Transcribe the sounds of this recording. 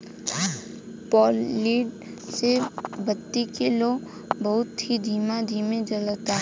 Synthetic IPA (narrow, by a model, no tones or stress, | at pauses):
pɔːlːiːɖ | sebət̪ːikeloː | bɐɦʊt̪ɦid̪ʱiːmad̪ʱiːmed͡ʒələt̪aː